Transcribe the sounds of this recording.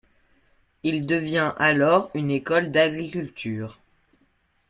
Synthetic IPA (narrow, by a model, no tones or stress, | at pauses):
ild̪əvjɛ̃ʔalɔʁynekɔld̪aɡʁikʲylt̪ʰyːʁ